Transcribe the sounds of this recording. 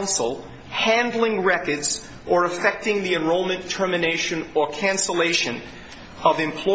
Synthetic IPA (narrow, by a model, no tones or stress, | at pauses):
ʊ̃nsl̩ˠ | hæ̃ndˡl̩ˠɪ̃ŋɹɛkə˞dz̥ | ʔə˞əfɛk̚tɪ̃ŋðiɨ̃nɹoʊlˠmɨ̃ntʰɜ˞mɨneɪʃɨ̃nə˞kʰæ̃nsəleɪʃɨ̃n | ʌvɨ̃mpʰl̥ɔ